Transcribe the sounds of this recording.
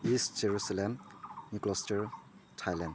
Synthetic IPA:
istz̥eɹusalɛmnuklɔstɛɹtʰajland

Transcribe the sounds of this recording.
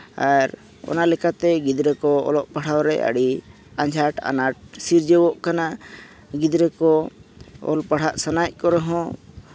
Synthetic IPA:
aɾ | ɔ̰nalɛkat̪ɛɡid̪ɾɛkɔɔ̰lɔʔpaɽ̤awɾɛ̰ʔa̰ɽi | aɲd͡ʒʱaʈa̰naʈ̚siɾd͡ʒɛwɔʔkana | ɡid̪ɾɛkɔ | ɔ̰lpaɽ̤aʔsanac̚ˀkɔɾɛɦɔ̃

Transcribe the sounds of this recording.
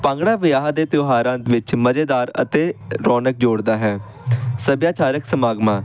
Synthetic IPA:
pãːŋɡɽaːʋɪjaːɦd̪eːt̪ɪoːɦaːɾãːd̪ʋɪt͡ʃməd͡ʒeːd̪aːɾə̰t̪eːɾɔːnək̚d͡ʒoːɽd̪aːɦɛː | səbjaːt͡ʃaːɾəksəmaːɡmãː

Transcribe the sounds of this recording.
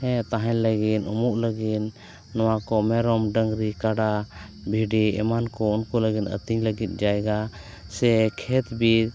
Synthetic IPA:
ɛ̃t̪aɦɛ̃ləɡit̪umuʔləɡit̪ | nɔwakɔmɛɾɔmɖəŋɡɾikaɖa | bʱiɖiɛ̰mankɔunkuləɡinə̰t̪iɲləɡit̪̚ˀd͡ʒajɡa | sɛkʰɛt̪bi

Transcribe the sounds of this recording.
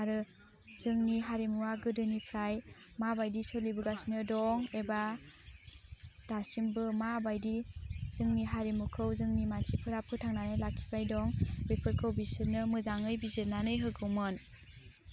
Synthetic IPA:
aɾɯ | z̥ɯŋniɦaɾimuwaɡɯdɯnipʰɾajmabajdisɯlibɯɡasnɯdɔŋeba | d̥asimbɯmabajdiz̥ɯŋniɦaɾimukʰɯwzɯŋnimansʰipʰɯɾapʰɯtʰaŋnanɯjlakʰːi̥bajdɔŋbepʰɯɾkʰɯwbisɯɾnɯmɯzaŋɯjbiziɾnanɯjɦɯɡʰɯwmɯn

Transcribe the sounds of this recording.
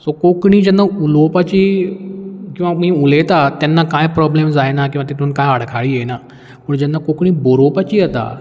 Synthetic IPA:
sokokɽ̃id͡ʑənːaulopət͡ɕi | kĩw̃ʋapũɦĩulet̪at̪ɛnːakajẽpɾɔːblemzaenak̬ĩʋãt̪et̪ũnkãaɽkʰaɭiɦena | puɳd͡ʑənːakokɽ̃ĩboɾopət͡ɕiːət̪a̰

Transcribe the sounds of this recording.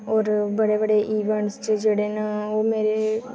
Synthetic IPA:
ɔːɾbəɽeːbəɽeːʔiːʋəɳst͡ʃəd͡ʒeːɽeːnaoːmeːɾe

